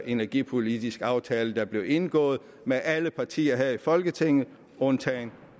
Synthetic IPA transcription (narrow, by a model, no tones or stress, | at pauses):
ʔe̝næɐɡ̥ipʰo̝lid̥isɡ̥ɑ̈ʊt͡sʰɛːləd̥ɑ̈b̥le̝ʊe̝nɡ̥ɔ̰̽ːð̩ˠ | meʔæləpʰɑ̈t͡sʰḭːɐɦæðˠifɒ̽lɡ̥ət͡sʰe̝ŋ̰ð̩ˠ | ɔnt͡sʰɛn